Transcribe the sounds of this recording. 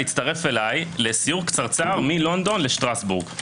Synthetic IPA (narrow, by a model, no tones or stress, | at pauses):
it͡st̪ɐʁe̞fe̞lajle̞sijuʁkt͡saʁt͡saːʁmilo̞nd̪o̞nle̞ʃtʁasbuʁɡ